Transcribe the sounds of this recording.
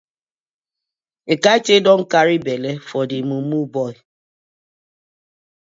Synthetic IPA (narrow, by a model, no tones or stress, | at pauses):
ekaet͡ʃedɔŋ̩kaɾibelefɔdimumubɔi